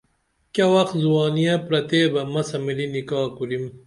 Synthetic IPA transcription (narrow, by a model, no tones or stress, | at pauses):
kɐwɐxzuwɑːnijɐpɾɐt̪eːbɐmɐsɐmilinikɑːkuɾim